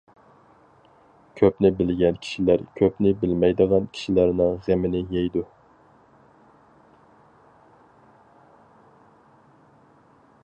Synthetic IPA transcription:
kʲʰøpnɪbɪlɡʲɛnkʲʰi̥ʃilæɾkʲʰøpnɪbɪlmɛjd̪əʁɑnkʲʰi̥ʃilæɾnɪŋʁæmɪnɪjɛjd̪u

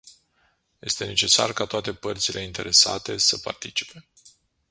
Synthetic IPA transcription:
je̞st̪e̞ne̞t͡ʃe̞sa̰rkat̪oat̪e̞pərt̪silʔe̞int̪e̞ɾe̞sa̰t̪e̞səpa̰rt̪it͡ʃi̥pe̞

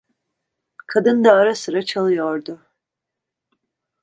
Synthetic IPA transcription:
kʰad̪ɯnd̪aːɾasɯɾat͡ʃʰalˠɯjoɾd̪ʊ

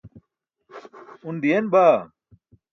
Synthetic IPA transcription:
und̪ijenbaː

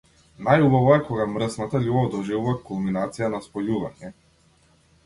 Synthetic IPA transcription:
najubavɔɛkɔɡamɾsnat̪aʎʲubavd̪ɔʒɛvuvakulˠminat̪sijanaspɔjuvaɲɛ

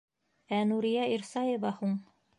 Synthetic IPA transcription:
ænuɾijɑiɾsɑjə̆vɑhuɴ

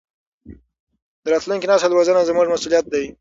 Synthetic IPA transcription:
d̪əɾɑt̪luŋkinɑst̪ad̪wazənazmuʐmasulijat̪̚d̪aj

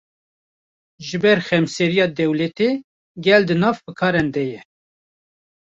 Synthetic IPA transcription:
ʒɨbɛɾxɛmsɛɾijɑːd̪ɛwlɛt̪e | ɡɛld̪ɨnɑːvbɨkʰɑːɾɛnd̪ɛjɛ

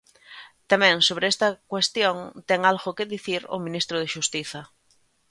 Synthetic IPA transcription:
t̪amɛ̃ŋsoβɾeest̪ɐkwest̪joŋt̪ɛŋalɣokeðiθiɾo̰mĩnist̪ɾʊð̞eʃust̪iθɐ

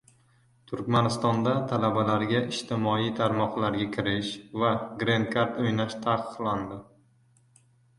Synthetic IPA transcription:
t̪ʰʊɾkʲmanɪst̪ɒnd̪at̪ʰalabalaɾɡʲaʔɪʃt̪ʰɪmɒit̪ʰaɾmɒqlaɾɡʲakʲʰɪɾɪʃvaɡɾenkʰaɾt̪ojnaʃt̪ʰaqʰɨ̥qlˠand̪ɪ

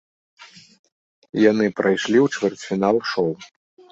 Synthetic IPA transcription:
janɨpɾajʂlʲiwt͡ʂvʲɛrt͡sʲfʲinalˠʂɔw

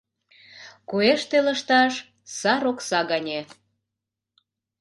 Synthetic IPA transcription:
kueʃt̪elə̆ʃt̪ɑʃ | sɑɾoksɑɣɑnʲe

